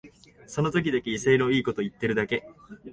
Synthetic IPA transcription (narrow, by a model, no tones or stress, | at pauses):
so̞no̞t̪o̞kʲid̪akʲeise̞iɾoiːko̞t̪o̞it̪ːe̞ɾɯ̟d̪ake̞